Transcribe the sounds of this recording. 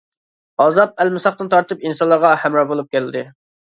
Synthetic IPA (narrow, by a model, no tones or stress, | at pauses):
ɑzɑp̚ɛlmɪsɑχt̪ɨnt̪ʰɑɾt̪ʰɨpinsɑnlːˠɑɾʁɑhæmɾɑbolˠup̚kʲælɪd̪ɪ